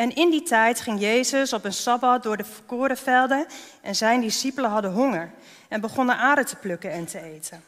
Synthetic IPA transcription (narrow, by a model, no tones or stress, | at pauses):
ɛnɪnditɛjtχɪŋjejzəsɔpənsɑbɑt̚dʊːɹdəfəkoːɾəfɛlˠdənʔɛnzɛjndisipələɦɑdəɦɔŋəɹ | ɛnbəχɔnənʔaːdətə̥plɵkənɛntəejtən